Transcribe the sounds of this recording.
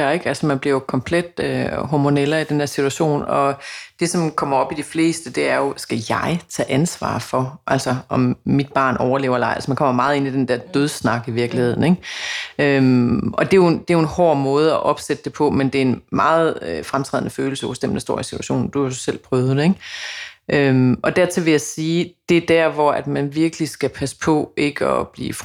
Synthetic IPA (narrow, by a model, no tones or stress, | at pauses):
eɡ̥ælsɒmænb̥liɐjokʰɒ̽mpʰled̥øɦɒmo̝nel̰ɐid̥end̥eɐsit͡sʰuæɕo̝̰ːnɒ̽d̥e̝sɒ̽mkʰɒ̽m̰ɐɒ̽b̥id̥ifle̝̰ːsd̥əd̥e̝æɐjo̝sɡ̥æjɑ̈ɪt͡sʰɛ̰ːʔænsʋɑ̰̈ːfɒ̽ʔælsɒʔɒ̽mːid̥̚b̥ɑ̰̈ːnɒʊɐle̝ːʊɐelɑ̈ɪælsmænkʰɒ̽m̰ɐmɑ̈ːð̞̩ˠe̝nid̥end̥æɐd̥øð̞ˠsnɑ̈ɡ̥iʋiɐɡ̥lihe̝ð̞̰ˠn̩e̝ɡ̥ømʔɒ̽d̥e̝jo̝nd̥e̝jo̝e̝nhɒ̰ːmɔ̽ːð̞ˠɒʔɒ̽b̥sed̥əd̥e̝pʰɒ̽mend̥e̝æɐe̝nmɑ̈ːð̩ˠøfʁamt͡sʰʁɛ̰ð̰ˠnəføːl̩səɒsd̥em̰nd̥ɑsd̥o̝ɐ̰isi̥t͡sʰu̥æɕo̰ːn̩d̥uæsel̰pʰʁœːʊð̩ˠdeɡ̥ʔømɒ̽d̥æɐ̰t͡sʰe̝lʋe̝jɑ̈ɪsiːd̥e̝d̥æɐ̰ʋɒæd̥mænʋiɐɡ̥əlisɡ̥æpʰæsə̥pʰɒ̽ʔe̝ɡ̥ɒ̰̽b̥lḭːf